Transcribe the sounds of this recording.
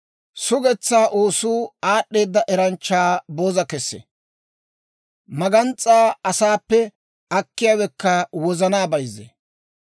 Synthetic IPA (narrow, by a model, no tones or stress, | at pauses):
sʊɡɛt͡sːaːʔoːsuːaːɗːe̞ːd̪ːɐʔɛɾɐnt͡ʃːaːboːzɐkɛsːḛ | mɐɡɐnt͡sʼːaːɐsaːpːɛ | ɐkːɪjaːwɛkːɐwɔzɐnaːbɐjzːḛ